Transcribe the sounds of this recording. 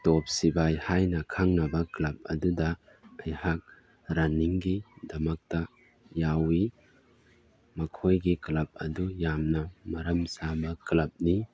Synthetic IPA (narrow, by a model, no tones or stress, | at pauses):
top̚sibajhajnɐkʰaŋnɐbɐklɐp̚ɐ̰dudɐ | ɐjhak̚ | ɾaniŋɡidɐmɐk̚tɐ | jawi | mɐkʰojɡiklɐp̚ɐ̰dujamnɐmɐɾɐmsabɐklɐp̚ni